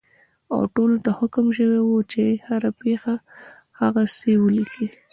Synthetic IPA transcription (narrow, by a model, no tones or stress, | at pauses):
a̰wʈolot̪ahʊkmʃəwewot͡ʃehaɾapexa | haɣasewəlikʰi